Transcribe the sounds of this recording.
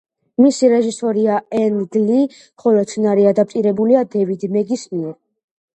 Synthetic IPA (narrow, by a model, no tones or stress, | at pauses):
misiɾɛʒisɔɾiaɛnlɡli | χɔlɔt̪sʰnaɾiad̪ap̚t̪ʼiɾɛbuliad̪ɛvid̪mɛɡismiɛɾ